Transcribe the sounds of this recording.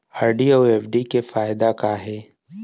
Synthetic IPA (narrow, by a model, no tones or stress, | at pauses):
aːɾɖioːeːfɖikefaːɪd̪akaɦɛː